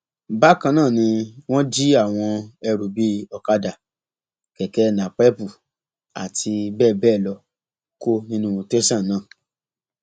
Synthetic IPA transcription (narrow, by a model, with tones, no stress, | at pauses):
ba˦kã˧nãː˦˨nĩ˧w̃ɔ̃˦d͡ʒi˦a˦˨w̃ɔ̃˧ɛ˧ɾu˨bi˦ɔ˧ka˧da˨ | kɛ˨kɛ˨˦nã˨k͡pɛ˦pu˨ | a̰˨tʰi˧bɛː˦˨bɛː˦˨lɔ˧ | ko˦nĩ˦nũ˦o˧te˦sã˦˨nãː˦˨